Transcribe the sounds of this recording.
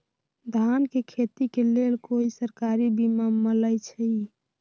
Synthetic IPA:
d̪ʱankekʰet̪ikelelkoisəɾkaɾibimamələjt͡ʃʰəi

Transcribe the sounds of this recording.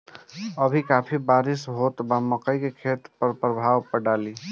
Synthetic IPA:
əbʱikapʰibaːɾɪsɦot̪baməkəikekʰet̪pəɾpɾəbʱaːwpəɖaːli

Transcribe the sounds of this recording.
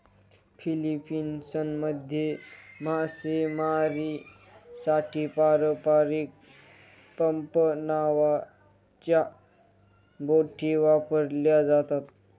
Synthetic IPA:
fʰilipiːnsənməd̪ʱjemasemaɾi | saʈʰiːpaɾəpaɾik̚ | pəmpənaʋa | t͡ɕja | boʈʰiʋapəɾljad͡zat̪at̪

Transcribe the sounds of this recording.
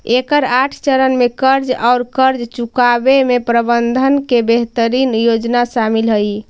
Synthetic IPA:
ekəɾaʈʰt͡ʃəɾənmekəɾd͡ʒaʊɾkəɾd͡ʒt͡ʃukabemepɾəbənd̪ʱənkebeɦt̪əɾinjod͡ʒnaʃamilɦəj

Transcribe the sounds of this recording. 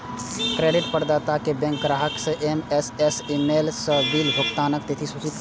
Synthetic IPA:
kɾeːɖɪʈpəɾd̪aːt̪akebɛ̃ŋkɾaːɦəkseʔemesesimeːlsəbiːlbʱokt̪aːnək̚t̪et̪ʰisut͡ʃit̪

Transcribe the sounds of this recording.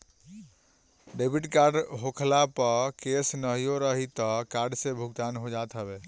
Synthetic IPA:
ɖebʱiʈkaɾɖɦokʰlapəkesnəɦijoɾəɦit̪ɔkaɾɖsebʱuɡt̪anɦod͡ʒat̪ɦəbe

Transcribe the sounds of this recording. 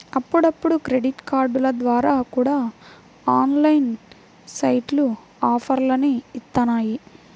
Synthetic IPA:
ɐpːuɽɐpːuɽukɾe̞ɖiʈkaːɾɖulɐd̪ʋaːɾaːkuːɽaː | aːnlɐjn | sɐjʈlu | aːpʰɐɾlɐniist̪ːɐnaːji

